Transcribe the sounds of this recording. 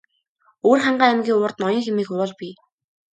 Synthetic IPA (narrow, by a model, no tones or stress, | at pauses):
oːrχaɴɢaːæmɡʲiːʊːrt̪nɔjɞ̆ŋxemiːxʊwʊːɮpi